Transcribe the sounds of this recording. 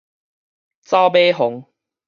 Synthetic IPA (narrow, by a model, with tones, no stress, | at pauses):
t͡sa˦wbe˦ɦʊ˨˦ŋ